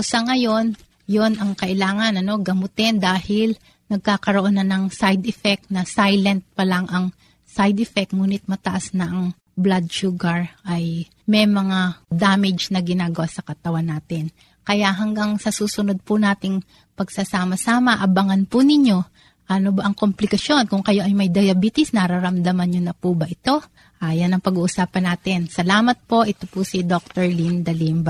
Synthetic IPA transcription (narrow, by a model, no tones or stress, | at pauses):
sɐŋɐjo̞n | jonɐŋkɐʔɪlaːŋɐnɐno̞ɡɐmʊt̪ɪnd̪aːhɪl | nɐɡ̚kaːkɐɾoʔo̞nɐnɐŋsajd̪ɛfɛk̚t̪̚nɐsajlɛnt̪̚pɐlaŋʔɐŋ | sajd̪ɛfɛk̚t̪̚ŋuːnɪt̪̚mɐt̪ɐʔasnɐʔɐŋ | blad̪̚ʃuːɡɐɹʔɐj | mɛjmɐŋad̪aːmɪd͡ʒnɐɡɪnaːɡɐwasɐkɐt̪ɐwanːaːt̪ɪn | kɐjaʔɦɐŋɡɐŋsɐsuːsʊno̞d̪̚pʊnaːt̪ɪŋ | pɐɡsɐsaːmɐsaːmɐʔɐbɐŋɐnpʊnɪɲo̞ | ʔɐnobɐʔɐŋkomplɪkɐʃo̞nkʊŋkɐjo̞ʔɐjmɐjd̪ɐjɐbiːt̪ɪsnɐɾɐɾɐmd̪ɐmɐnɲonɐpubɐʔɪt̪o̞ | ʔajɐnːɐŋpɐɡuːʔʊsaːpɐnaːt̪ɪnsɐlaːmɐt̪̚po̞ʔɛt̪opusid̪ok̚t̪ɛɹlind̪ɐlimb